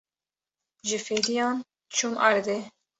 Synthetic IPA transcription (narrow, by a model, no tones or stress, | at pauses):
ʒɨfedijɑːn | t͡ʃʰumʔɑ̰ɾd̪e